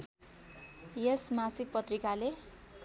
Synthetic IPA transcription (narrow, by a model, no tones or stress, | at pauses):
jesmasik̚pʌt̪rikale